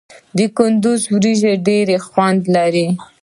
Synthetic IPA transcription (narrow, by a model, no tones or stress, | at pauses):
d̪əkʊnd̪ʊzwɾiʒeɖeɾexwand̪laɾi